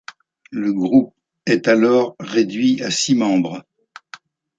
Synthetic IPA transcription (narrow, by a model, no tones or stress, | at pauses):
ləɡʁup̚ | ɛt̪alɔʁːed̪ɥiasimɑ̃bʁ